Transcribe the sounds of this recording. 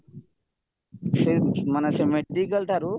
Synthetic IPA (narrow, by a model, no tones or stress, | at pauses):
semanɛsemeɖikəlʈʰaɾu